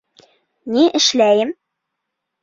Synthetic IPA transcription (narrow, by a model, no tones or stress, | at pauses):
niʔɘ̆ʃlæjɘm